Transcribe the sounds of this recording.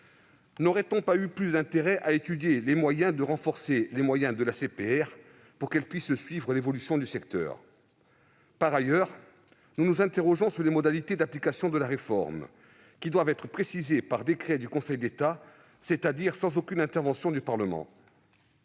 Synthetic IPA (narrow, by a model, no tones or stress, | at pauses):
nɔʁɛt̪ɔ̃payplysd̪ɛ̃t̪eʁɛʔaet̪yd̪jelemwajɛ̃d̪əʁɑ̃fɔʁselemwajɛ̃d̪əlasepeɛʁ | puʁkɛlpɥissɥivʁəlevɔlysjɔ̃d̪ysɛkt̪œ̰ːʁ | paʁajœʁ | nunuzɛ̃t̪eʁɔʒɔ̃syʁlemɔd̪alit̪ed̪aplikasjɔ̃d̪əlaʁefɔ̰ʁm | kʲid̪wavɛt̪χəpχesizepaʁd̪ekχɛd̪ykɔ̃sɛjd̪et̪a | set̪ad̪iʁsɑ̃zokʲynɛ̃t̪ɛʁvɑ̃sjɔ̃d̪ypaʁləmɑ̰̃